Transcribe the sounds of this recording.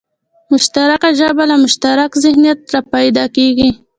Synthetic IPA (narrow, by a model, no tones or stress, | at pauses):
mʊʃt̪aɾakaʒəbalamʊʃt̪aɾakzɪhnijat̪ɾapajd̪ɑkeɡi